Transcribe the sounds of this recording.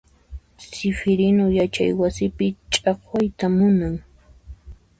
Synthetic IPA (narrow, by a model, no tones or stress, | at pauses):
sɪfɪɾɪnojat͡ʃa̰jwasɪpɪt͡ʃʼɑχwajt̪amʊnaŋ